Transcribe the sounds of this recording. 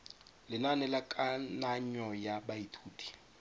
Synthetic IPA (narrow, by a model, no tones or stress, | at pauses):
lɪnanɛlakʼanaɲɔjaɓajitʰuːtʰi̥